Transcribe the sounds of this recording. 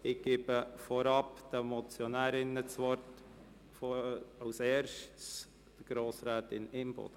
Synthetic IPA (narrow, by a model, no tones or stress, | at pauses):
ɪɡ̥eːb̥əfɔɾɑpd̥əmɔt͡sjɔnæːɾɪnət͡sʋɔɾt | foɑʊsɛːɾʃtt͡s | d̥əɡ̥ɾoːsɾæːtɪnɪmb̥o̰d̥ə